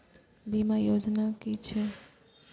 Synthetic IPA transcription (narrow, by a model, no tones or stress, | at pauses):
bimajod͡ʒnakit͡ʃʰɛ